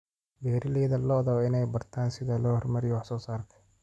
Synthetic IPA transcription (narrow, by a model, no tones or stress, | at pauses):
bɛːɾɪlɛːðɐlɔːðɔɪnɛjbɐrt̪ʰaːnsɪðɐlɔːhɔrmɐɾɪjwɑħsɔːsaːrk̪ʰɐ̥